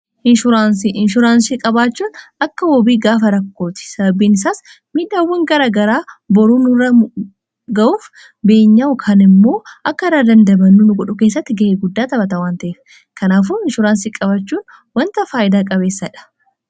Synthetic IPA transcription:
ʔɪnʃʊɾaːnsiʔɪnʃʊɾaːnsikʼɐbaːt͡ʃːuːnɐkːɐwɔbiːɡaːfɐɾɐkːo̞ːt̪ɪ̥sɐbɐbiːnɪsaːs | miːᶑaːwːɐŋɡɐɾaːɡɐɾaːbɔɾuːnʊrːɐ | ɡɐʔuːf | be̞ːɲːaʊkʰɐnɪmːo̞ːʔɐkːɐɾaːd̪ɐnd̪ɐbɐnːʊnʊɡɔᶑʊke̞ːs̬ːɐt̪ːɪɡɐeɡʊd̪ːaːt̪ɐbɐt̪ɐwaːnt̪ɐʔeːf | kɐnaːf̬ʊɪnʃʊɾaːnsiːkʼɐbɐt͡ʃːuːn | wɐnt̪ɐfaːʔɪd̪aːkʼɐbe̞ːsːɐɪᶑɐ̥

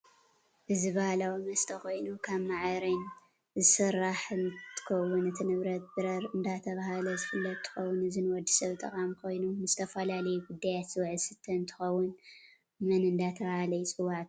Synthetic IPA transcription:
ʔɨzɨβahalawimɐst̪ʰɐxo̞jnukʰaβmaʕɾin | zɨsɨɾaħnt̪ʰɨ̥kʰɐwːʊnɨt̪ʰinɨβɾɐt̪̚bɨɾɐɾɨnd̪at̪ʰɐβahalɐzɨfɨlːɐt̪ʰːɨ̥xɐwːʊnɨzɨnwɔd̪i̥sɐβt̪ʼɐ̰kʼamkʰo̞jnumɨz̥ɨt̪ʰɐfɐlalɐjuɡud̪ːajat̪sɨwʕsɨt̪ʰːɐnt̪ʰɨ̥xɐwːʊn | mɐnɨnd̪at̪ʰɐβahalɐjt͡sʼɨwːaʕt̪

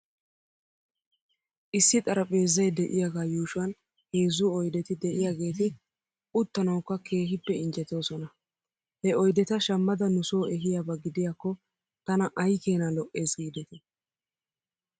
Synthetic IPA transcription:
ʔɪsːɪt̪ʼɐɾɐpʼe̞ːzːɐjd̪ɛʔɪjaːɡaːjuːʃʊɐn | he̞ːzːʊɔjd̪ɛt̪ɪd̪ɛʔɪjaːɡe̞ːt̪ɪ | ʔʊt̪ːɐnɐwkːɐkʰe̞ːhɪpːɛɪnd͡ʒɛt̪o̞ːsɔnɐ | hɛɔjd̪ɛt̪ɐʃɐmːɐd̪ɐnʊso̞ːɛɦɪjabɐɡɪd̪ɪjaːkːɔ | t̪ɐnɐʔɐjke̞ːnɐlɔʔe̞ːsɡiːd̪ɛt̪ɛ

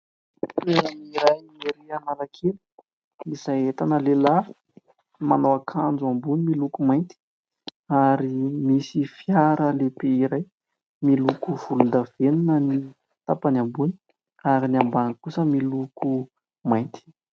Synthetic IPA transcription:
eaniɾajniɾianalakʰeli̥ | izajet̪anəlela | manowakʰand͡zuambunimilukumajnt̪i̥ | aɾimisifjaɾəlepeiɾaj | milukuv̥ulund̪av̥eninəni | t̪apanambuni̥ | aɾiniambanəkusəmiluku | majnt̪i̥

